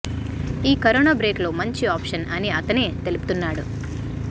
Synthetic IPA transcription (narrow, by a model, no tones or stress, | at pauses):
iːkɐɾoːnaːbɾe̞ːklo̞ːmɐɲt͡ʃiaːpʂɐnɐniɐt̪ɐneːt̪e̞lupu̥t̪unːaːɽu